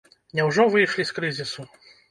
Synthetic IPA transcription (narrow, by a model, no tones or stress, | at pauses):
nʲɛwʐɔvɨjʂlʲiskɾɨzʲisu